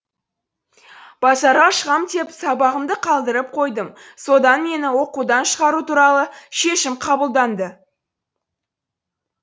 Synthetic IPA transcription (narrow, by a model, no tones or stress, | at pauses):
b̥ɑsɑɾʁɑʃəʁɑmt̪ʰe̞psɑbɑʁəmd̪əqʰɑlˠd̪əɾəp̚qʰo̞jd̪əmso̞d̪ɑnme̞nɪwo̞qud̪ɑnʃəʁɑɾut̪uɾɑlˠəʃe̞ʃɪmqʰɑbəlˠd̪ɑnd̪ə